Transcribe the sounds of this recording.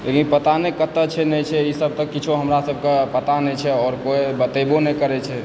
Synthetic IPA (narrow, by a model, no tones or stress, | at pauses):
lekinpət̪anekət̪ːət͡ʃʰɛnɛt͡ʃʰɛisəb̚t̪əkːit͡ʃʰoɦəmɾasəb̚ʱkepət̪anɛt͡ʃʰɛɔːɾkoebət̪ebonɛkəɾɛt͡ʃʰɛ